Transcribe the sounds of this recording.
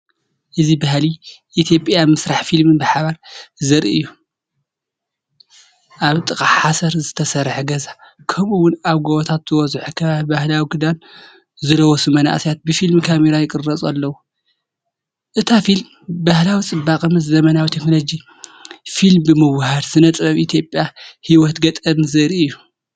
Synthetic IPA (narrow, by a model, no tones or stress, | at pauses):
ʔɨzibahliʔit̪ʰjo̞pʼjamɨsɾaħfilmɨnbɨħaβaɾzɐɾḭʔɨjːu | ʔaβt̪ʼɨkʼaħasɐɾzɨt̪ʰɐsɐɾħɡɐzakʰɐmuwʊnaβɡoβɔt̪ʰat̪zɨwɔzħukʰɐβaβbahlawiɡɨd̪an | zɨlɐwɔsɨmɐna̰ʔsijat̪̚bɨfilmkʰameɾajɪkʼɨrːɐt͡sʼɐ̰lːɐwu | ʔɨt̪ʰafilm | bahlawit͡sʼɨbːakʼɨmɨzzɐmɐnawit̪ʰeknolod͡ʒi | filmbɨmɨβhad̪sɨnɐt̪ʼɾɐβit̪ʰjo̞pʼjahiwɔt̪ɡɐt̪ʼɐnzɐɾiɨjːu